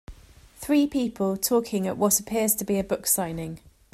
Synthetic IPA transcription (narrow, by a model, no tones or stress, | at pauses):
θɹiːpʰiˑpʰəlˠtʰɔˑkʰɪ̃ŋə̰ʔwɒtəpʰɪəz̥tʰəbiəbʊksãɪ̃nɪ̃ŋ